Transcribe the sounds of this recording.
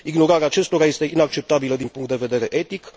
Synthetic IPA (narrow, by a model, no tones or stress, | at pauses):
iɡno̞ɾaɾeaːt͡ʃe̞st̪o̞ɾaje̞st̪e̞inak̚t͡ʃe̞p̚t̪abiləd̪inpuŋkt̪d̪eve̞d̪e̞ɾe̞ʔe̞t̪ik